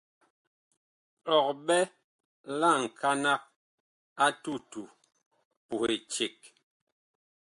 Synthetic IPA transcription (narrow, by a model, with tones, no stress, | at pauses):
ɔ˨k̚ɓɛ˦ | la˦˨ŋ̩˨kʰa˦na˦k̚ | a˦tu˦tu˨ | pu˨he˨t͡ʃe˨k̚